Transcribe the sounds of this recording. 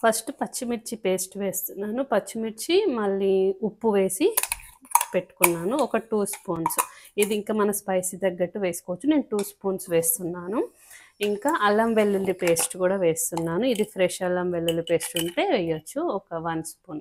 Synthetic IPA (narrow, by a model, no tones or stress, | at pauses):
pʰɐsʈpɐt͡ʃːimiʈt͡ʃipe̞ːsʈʋe̞ːst̪unːaːnupɐt͡ʃːimiɾt͡ʃimɐɭːiupːuʋe̞ːsi | pe̞ʈːu̥kunːaːnuɔkɐʈuːspoːnsid̪iiŋkaːmɐnɐspɐjsid̪ɐɡːɐʈːuʋe̞ːsi̥koʋɐt͡ʃːune̞ːnuʈuːspuːnsʋe̞ːst̪unːaːnu | iŋkaːʔɐlːɐmʋelːulːipe̞ːsʈkuːɽaːʋeːst̪unːaːnuid̪ipʰɾeʃɐlːɐmʋelːulipe̞ːsʈuɳʈeːʋɛjːɐt͡ʃːuɔkɐʋɐnspuːn